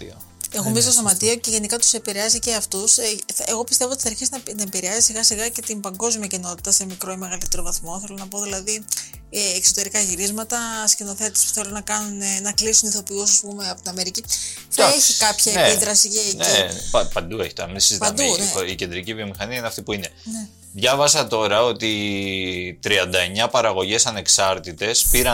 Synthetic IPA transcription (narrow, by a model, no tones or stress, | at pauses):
exomizit̪os̬o̞mɐt̪ioce̞ʝe̞nikɐt̪u̥se̞piɾeɐziceɐft̪useɣo̞pist̪evot̪iθɐɾçiznɐnɐepiɾeɐzisiɣɐsiɣɐce̞t̪imbɐŋɡo̞zmiɐcino̞t̪i̥t̪ɐse̞mikɾoeme̞ɣɐlit̪eɾo̞vɐθmo̞θe̞lonɐp̬o̞ðilɐði | eːkso̞t̪e̞ɾikɐʝiɾizmɐt̪ɐscino̞θe̞t̪espu̥θelunɐkɐnunenɐklisuniθo̞pius̬ɐspume̞ɐpot̪inɐme̞ɾici | θɐeçikɐpçɐenpeit̪ɾɐsiʝeneipɐpɐnd̪ue̞çit̪oɾɐmisiziɐmd̪uice̞nd̪ɾicivio̞mixɐniɐineɐft̪ipuine̞n | ðʝɐvɐsɐt̪o̞ɾɐo̞t̪i | t̪ɾiɐnd̪ɐe̞ɲɐpɐɾɐɣo̞ʝe̞sɐne̞ksɐɾt̪it̪e̞spiɾɐ